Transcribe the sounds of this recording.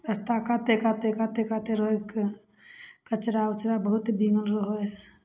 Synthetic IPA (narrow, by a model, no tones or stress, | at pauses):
ɾəst̪akat̪ekat̪ekat̪ekaːt̪eɾɦoek | kət͡ʃɾaʊt͡ʃɾabəɦʊt̪bĩŋɡəlɾəɦoɦɛ